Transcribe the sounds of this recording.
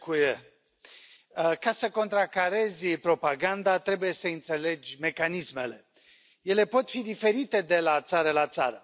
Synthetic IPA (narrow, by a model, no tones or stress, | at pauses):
kuje | kasəko̞nt̪ɾakaɾe̞zʲpɾo̞paɡand̪at̪ɾe̞buje̞səɨnt̪se̞le̞d͡ʒʲme̞kanisme̞le̞ | je̞le̞po̞t̪fid̪ife̞ɾit̪e̞d̪e̞lat̪saɾəlat̪sa̰ɾə